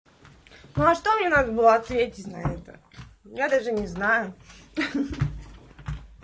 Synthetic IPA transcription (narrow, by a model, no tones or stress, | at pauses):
nuɐʂt̪o̞mɲʲenad̪əbɨlˠoɐt̪svʲetʲɪtʲnɐ̰ɛt̪ə̰jad̪aʐɨnʲɪznajʊ